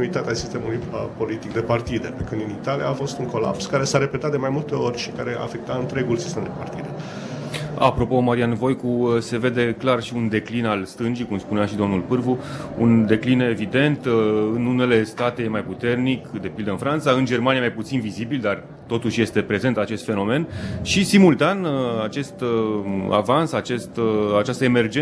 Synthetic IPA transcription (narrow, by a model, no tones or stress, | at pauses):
it̪at̪easist̪e̞mulujəpo̞lit̪ik̚d̪e̞part̪id̪e̞pekɨnd̪init̪alija̰ːfo̞st̪uŋko̞la̰pskaɾe̞saɾe̞pet̪at̪d̪e̞majmult̪e̞o̞rʲʃi̥kaɾe̞a̰ːfe̞k̚t̪aɨnt̪ɾe̞ɡulsi̥st̪emd̪e̞part̪id̪e̞ | a̰pɾo̞po̞maɾianvo̞jkuse̞ve̞d̪e̞klarʃiund̪e̞klinalst̪ɨnd͡ʒikumspuneaʃid̪o̞mnulpɨrvuund̪e̞kline̞vid̪e̞nt̪ɨnune̞le̞st̪at̪e̞majput̪e̞rnikd̪e̞pild̪əɨnfɾant̪saɨnd͡ʒe̞rmaniamajput̪sinvizibild̪ar | t̪o̞t̪uʃje̞st̪e̞pɾe̞ze̞nt̪at͡ʃe̞st̪fe̞no̞me̞nʃisimult̪anat͡ʃe̞st̪ | a̰vansat͡ʃe̞st̪at͡ʃast̪əeme̞rd͡ʒe